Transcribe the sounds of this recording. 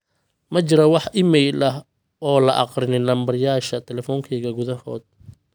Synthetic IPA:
mɐt͡ʃɪɾɐwɑħʔɪmɛjlɐɦ | ɔːlɐʔɑ̰qrɪnɪnɐmbɐrjaːʃɐt̪ʰɛlɛfɔːŋkʰɛjɣɐɡʊðɐhɔːd̪̚

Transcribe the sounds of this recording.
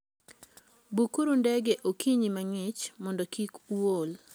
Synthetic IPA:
bukuɾondɛɡeʔokʰiɲimaŋɪt͡ʃmɔndɔkikol

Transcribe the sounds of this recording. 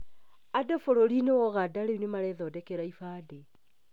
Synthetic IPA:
adɔfoɾoɾinewɔɣadaɾeunemaɾɛðɔdɛkɛɾaifaːde

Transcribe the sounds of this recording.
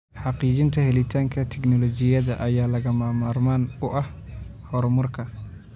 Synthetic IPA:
ħɑqiːt͡ʃɪnt̪ʰɐhɛlɪt̪ʰaːŋkʰɐt̪ʰɛɡnɔlɔt͡ʃɪjɐðɐʔɐjaːlɐɣɐmaːmaːrmaːnʊʔɐhhɔɾmʊrkʰɐ

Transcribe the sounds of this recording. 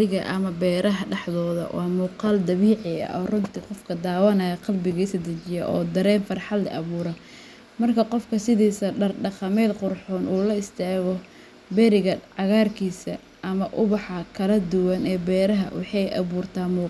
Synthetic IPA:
ɪɣɐʔɐ̰mɐbɛːɾɐɦɐɖɑħðɔːðɐ̰wʔɑːmuːqɑːld̪ɐβiːʕɪɐ̰ʔɔːrʊnt̪ʰiqɔfkʰɐd̪aːwɐnɐjɐqɑlbɪɣisɐd̪ɐt͡ʃɪjɐʔɔ̰ːd̪ɐɾɛːnfɐrħɑd̪̰ʔɐ̰βuːɾɐ | mɐrkʰɐqɔfkʰɐsɪðiːsɐɖɐrɖɑqɑmɛːd̪qʊrħɔːnʔuːlɐɪst̪ʰaːɣɔ | bɛɾɪɣɐʕɑɣaːrkʰiːsɐ | ʔɐmɐʔʊβɑħɑkʰɐlɐd̪ʊwɐnɛːbɛːɾɐɦɐ̰wɑ̰ħɑjʔɐ̰βuːrt̪ʰaːmuː

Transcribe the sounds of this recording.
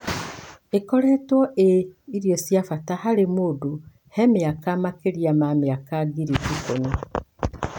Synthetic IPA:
ekɔɾɛtwɔʔeiɾjɔsjafatahaɾemodu | hɛmeakamakeɾjamameakaɡiɾikikoɲo

